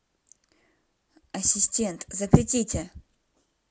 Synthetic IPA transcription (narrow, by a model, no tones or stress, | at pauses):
ɐsʲɪsʲtʲent̪zəpɾʲɪtʲitʲɪ